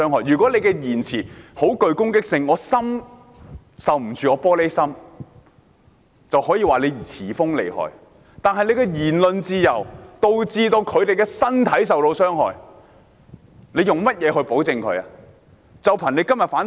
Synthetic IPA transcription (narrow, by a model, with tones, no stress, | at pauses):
œː˥ŋɦɔː˨jɥyː˨˩kʷɔː˨˥le˨˧jkɛ˧jiː˨˩nt͡sʰiː˨˩ho˨˥wkɵ˨˧ɥkʊ˥ŋkɪ˥k̚sɪ˧ŋːɔː˨˧sɐ˥m | sɐ˨wm̩˨˩t͡sʰyː˨ɔː˧pɔː˥le˥jsɐ˥m | t͡sɐ˨whɔː˨˥jiː˨˧waː˨le˨˧jt͡sʰiː˨˩fʊ˥ŋlḛ˨˩jhɔ̰ː˨j | t̪aː˨nɦɐ˨jne˧jkɛː˧jiː˨˩nlɵ˨nt͡siː˧jɐ˨˩wt̪o˨˧wt͡siː˧t̪o˧wkʰɵ˨˧ɥt̪e˨jkɛː˧sɐ˥nt̪ʰɐ˨˥js̬ɐ˨wlo˧wsœː˥ŋhɔ̰ː˨j | ne˨˧jʊ˨ŋmɐ˥t̚jɛː˨˧ɦɵ˧ɥpo˨˥wt͡sɪ˨˧ŋkʰɵ˨˧˥a̰ː˧ | t͡sɐ˨wpʰɐː˨˩ne˨˧jkɐ˥mjɐ˨t̚faː˨˥n